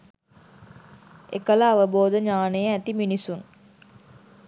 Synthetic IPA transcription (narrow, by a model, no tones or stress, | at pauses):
ḛkələːʋəboːd̪əɲaːnəjəæt̪iminisuŋ